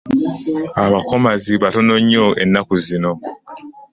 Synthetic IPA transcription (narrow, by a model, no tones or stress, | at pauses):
aβako̞maziβatonoɲːoʔḛnːakuzino̞